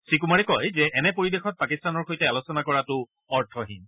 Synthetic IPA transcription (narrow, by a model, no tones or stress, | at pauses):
sik̬umaɹɛkɔjzɛʔɛnɛpoɹibexɔt̚pakistanɔɹxojtɛalosɔnakɔɹatʊ | ɔɹtʰɔɦḭn